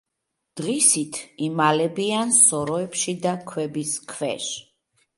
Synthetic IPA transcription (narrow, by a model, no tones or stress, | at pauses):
d̪̥ʁisit̪ʰimalɛbiansɔɾɔɛpʃid̪akʰwɛbiskʰvɛ̰ʃ